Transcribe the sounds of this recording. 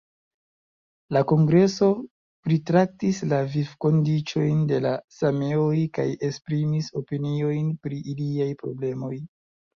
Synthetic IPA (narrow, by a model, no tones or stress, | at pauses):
lako̞ŋɡɾe̞so̞ | pɾitɾak̚tislavivko̞ndit͡ʃo̞jnde̞lasame̞ojkaje̞spɾimiso̞pinio̞jnpɾiʔiliajpɾo̞̰ble̞mo̞j